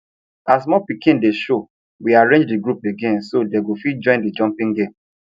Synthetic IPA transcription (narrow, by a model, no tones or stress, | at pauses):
as̬mɔpikĩndeʃo | wiaɹẽnd͡ʒdiɡɹupeɡẽnsodɛeɡofid͡ʒɔ̃ɪ̃ndid͡ʒɔ̃mpĩŋɡẽm